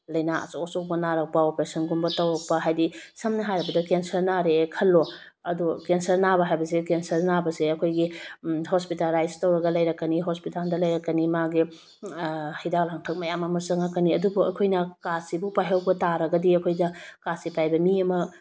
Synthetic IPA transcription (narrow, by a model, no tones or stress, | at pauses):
lɐjnaɐ̰sosok̚bɐnaɾɐk̚pɐopɾesɐnɡumbɐtɐwɾɐk̚pɐɦajdisɐmnɐɦajɾɐbɐdɐkensɐɾnaɾeːkʰɐlːo | ɐdukensɐɾnabɐɦajbɐs̬ekensɐɾnabɐseɐkʰojɡiɦospitalajztɐwɾɐɡɐlɐjɾɐkːɐniɦospitaldɐlɐjɾɐkːɐnimaɡi | hidak̚laŋtʰɐk̚mɐjamɐmɐsɐŋakɐniɐdubuɐ̰kʰojnɐkasibupajɦɐwbɐtaɾɐɡɐdiɐkʰojdɐkasipajbɐmiɐmɐ